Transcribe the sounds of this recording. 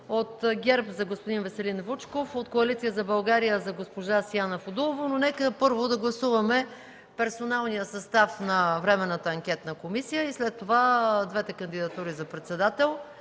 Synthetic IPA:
ot̪ɡʲɛɾpzɐɡospod̪invɛsɛlinvut͡ʃkofot̪koɐlit̪sijəzɐbɐlˠɡaɾijəzɐɡospoʒasijanɐfod̪ulˠovononɛkəpɤɾvod̪ɐɡlˠɐsuvɐmɛ | pɛɾsonalˠnijəsɐst̪afnɐvɾɛmɛnːət̪əːŋkʲɛt̪nəkomisijəislɛt̪ːovad̪vɛt̪ɛkɐnd̪id̪ɐt̪uɾizɐpɾɛt̪sɛd̪at̪ɛlˠ

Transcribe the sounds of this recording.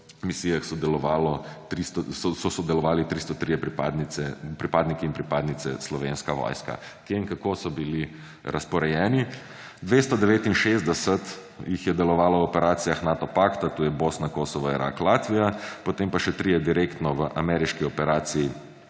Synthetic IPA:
misiːjaxsɔd̪ɛlɔʋaːlɔt̪ɾist̪ɔsɔsɔsɔd̪ɛlɔʋaːlit̪ɾist̪ɔt̪ɾijɛpɾipaːd̪niɛpɾipaːd̪nikiːnpɾipaːd̪nit̪sɛslɔʋenskaʋɔ̰jska̰ | kjeiŋkakosɔbili | ɾɐspɔɾɛjɛːni | d̪ʋest̪ɔd̪ɛʋeːt̪inʃezd̪ɛsɛt̪ | jixjɛd̪ɛlɔʋaːlɔwɔpɛɾaːt̪sijaxnat̪ɔpakt̪at̪uːjɛbosnakosɔʋɔiɾa̰klaːt̪ʋijapɔt̪empaʃɛt̪ɾijɛd̪iɾekt̪nɔʋəʔamɛɾiʃkiɔpɛɾaːt̪siji

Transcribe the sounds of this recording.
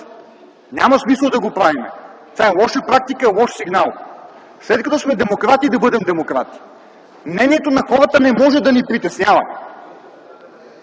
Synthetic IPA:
nʲamɐsmisəlˠd̪ɐɡopɾavimɛ̰t̪ʲaɛlˠɔʃəpɾak̚t̪ikəɛlˠɔʃsiɡnalˠ | slɛt̪̚kɐt̪ɔsmɛd̪ɛmokɾat̪id̪ɐbɤd̪ɛmd̪ɛmokɾat̪i̥ | mnɛniɛt̪onɐxɔɾət̪ənɛmɔʒɛd̪ɐnipɾit̪ɛsnʲavɐ̰

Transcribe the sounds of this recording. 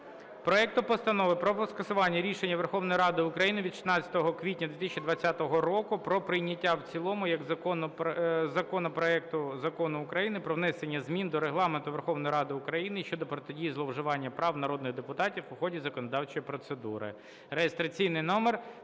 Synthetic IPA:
pɾɔɛk̚t̪ʊpɔst̪ɐnɔʋɪpɾɔpɔskɐsʊʋɑnʲːɐɾʲiʃenʲːɐʋerxɔʋnɔjɾɑd̪ɪʊkɾɐjinɪʋʲid̪ʃɪ̥t̪nɑt͡sʲːɐ̥t̪ɔɦɔkʋʲitʲnʲɐd̪ʋʲet̪ɪsʲt͡ʃʲid̪ʋɐt͡sʲːat̪ɔɦɔɾɔkʊpɾɔpɾɪjnʲɐtʲːawt͡sʲilˠɔmʊjɐɡɐɔnzɐkɔnɔpɾɔɛk̚t̪ʊzɐkɔnʊːkɾɐjinɪpɾɔʋnɛsenʲːɐzmʲind̪ɔɾeɦlˠɑment̪ʊʋerxɔʋnɔjɾɑd̪ɪʊkɾɐjinɪʃt͡ʃɔd̪ɔpɾɔt̪edʲijizlˠɔwʒɪʋɑnʲːɐpɾɑwnɐɾɔd̪nɪɣd̪epʊt̪ɑtʲiwʊxɔdʲizɐkɔnɔd̪ɑwt͡ʃɔjpɾɔt̪sed̪ṵɾɪ̰ | ɾejest̪ɾɐt͡sʲijnɪjnɔmer

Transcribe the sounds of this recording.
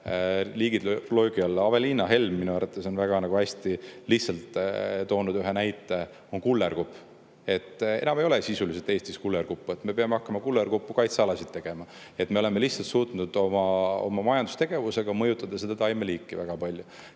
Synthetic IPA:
liːɡid̪loːɡ̥iɑlːɑve̞liːnɑɦe̞lmːinuæɾɑt̪ːˑeso̞nvæɡ̥ɑnɑɡ̥uæsʲt̪ilihtsɑlt̪t̪o̞ːnud̪yɦenæjt̪ːˑe̞ | o̞nkulːerkupː | e̞t̪ːˑe̞̰nɑme̞jolesisuliset̪e̞ːst̪iskulːerkupːue̞t̪me̞pe̞ɑme̞ɑhkːɑmɑkulːerkupːukɑjt̪sɑɑlɑsid̪̥t̪ːe̞ɡ̥e̞mɑ | e̞t̪me̞o̞le̞me̞lihsɑlt̪suːt̪nud̪̥o̞mɑo̰mɑmɑjɑnd̪ust̪e̞ɡ̥e̞vuse̞ɡ̥ɑmɤjut̪ːˑɑd̪̥ɑsed̪ɑt̪ɑjmeliːkːˑivæɡ̥ɑpɑlʲju

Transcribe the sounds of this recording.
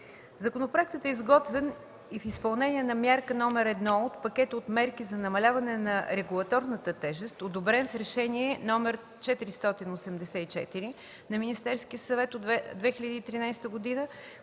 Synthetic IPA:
zɐkonopɾoɛk̚t̪ət̪ɛizɡɔt̪vɛn | ifispɐlˠnɛnʲiɛnɐmʲjaɾkənɔmɛɾɛd̪nɔot̪pɐkʲɛt̪əot̪mɛɾkizɐnɐmɐlʲavɐnɛnɐɾɛɡulˠɐt̪ɔɾnət̪ət̪ɛʒɛst̪od̪obɾɛnsɾɛʃɛniɛnɔmɛɾ | t͡ʃɛt̪iɾist̪ɔt̪inosɛmd̪ɛsɛit͡ʃɛ̰t̪iɾi | nɐminist̪ɛɾsk̟iəsɐvɛt̪oɛd̪vɛxʲilʲəd̪iːt̪ɾinajst̪əɡod̪inə

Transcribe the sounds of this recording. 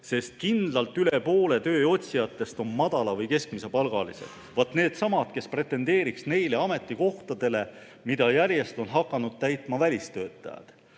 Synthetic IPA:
se̞st̪̚kind̪lɑlt̪ːˑyle̞po̞ːle̞t̪ø̞ːo̞t̪ʲsijɑt̪ːˑe̞st̪o̞nmɑd̪̥ɑlɑvɤjke̞skmise̞pɑlɡ̥ɑlise̞̰d̪̥vɑt̪ːˑne̞ːd̪̥sɑmɑt̪ke̞spre̞t̪ːˑe̞nd̪eːɾiksne̞jleɑme̞t̪ːˑiko̞ht̪ɑd̪̥e̞le̞ | mid̪̥ɑjæɾje̞st̪o̞nɦɑkːˑɑnud̪̥̚t̪æjt̪ˑmɑvælʲist̪ø̞ːt̪ːˑɑ̰jɑ̰d̪̥

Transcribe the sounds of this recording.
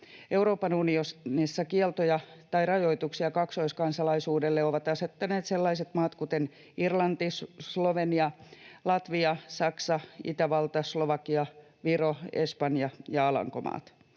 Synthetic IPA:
ʔeuɾoːpɑnuniosnisːɑkielt̪ojɑt̪ɑirɑjoit̪uksiɑkɑksoiskɑnsɑlɑisuːdelːeoʋɑt̪ɑset̪ːɑneːt̪selːɑiset̪mɑːt̪kut̪en | irlɑnt̪issloʋeniɑlɑt̪ʋiɑsɑksɑḭt̪æʋɑlt̪ɑsloʋɑkiɑ | ʋiroespɑnjɑjɑɑlɑ̰ŋko̰mɑ̰ːt̪

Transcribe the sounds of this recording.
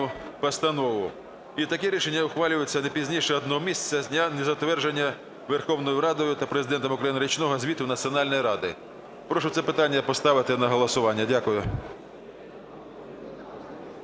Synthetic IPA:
ʊpɐst̪ɐnɔʋʊ | it̪ɐkɛɾʲiʃenʲːɐʊxʋɑlʲʊjʊt͡sʲːɐnɛpʲizʲnʲiʃɛɔd̪nɔɔmʲisʲt͡sʲːɐnʲɐnezɐt̪ʋɛrʒenʲːɐ | ʋerxɔwnɔjʊɾɑd̪ɔjʊt̪ɐpɾezɪd̪ɛnt̪ɔmʊkɾɐjinɪɾʲit͡ʃnɔɦɔzʲʋʲit̪ʊnɐt͡sʲiɔnɑlʲnɔjɾɑd̪ɪ | pɾɔʃʊt̪sɛpɪt̪ɑnʲːɐpɔst̪ɑʋɪt̪ɪnɐɦɔlˠɔsʊʋɑnʲːɐdʲakʊjʊ

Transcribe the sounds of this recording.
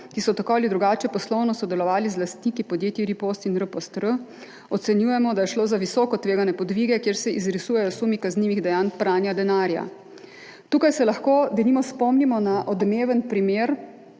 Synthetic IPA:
kisɔt̪akɔːlid̪ɾuɡaːt͡ʃɛpɔslɔwnɔsɔd̪ɛlɔʋaːlizlast̪nikipɔd̪jeːt̪iɾipost̪inɾəpost̪ɾə | ɔt̪sɛnjuːjɛmɔd̪ajɛʃloːzaʋisɔːkɔt̪ʋeːɡanɛpɔd̪ʋiɡɛkjeːɾsɛʔizɾisujɛjɔsuːmikazniːʋiɣd̪ɛjaːnpɾaːnjad̪ɛnaːɾja̰ | t̪uːkajsɛlaxkoːd̪ɛnimɔspɔmnimɔnaʔɔd̪meːʋənpɾimeːɾ

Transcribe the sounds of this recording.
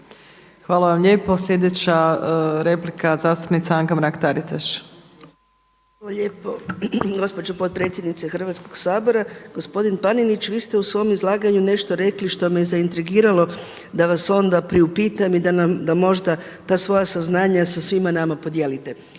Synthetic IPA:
xʋaːlaʋamʎe̞ːpo̞slʎʲed̪et͡ɕaɾe̞plikʰazaːst̪u̥pnit̪saaŋɡamɾakt̪aɾit̪aʃ | ʋaːlaʎepo̞ɡo̞spo̞d͡ʑopo̞t̪̚pɾe̞t̪sje̞d̪nit̪sexr̩ʋat̪sko̞ɡsaːbo̞ɾaɡ̥o̞spo̞d̪inpaninit͡ɕʋiːst̪e̞usʋo̞jomizlˠaːɡaɲune̞ʃt̪o̞ɾe̞kliʃt̪o̞mejezaint̪ɾiɡiːɾalo̞ | d̪aʋaso̞nd̪apɾiupiːt̪amid̪anamd̪amo̞ʒd̪a | t̪aːsʋo̞jasaznaːɲasasʋimanamapo̞d̪je̞ːlit̪e̞

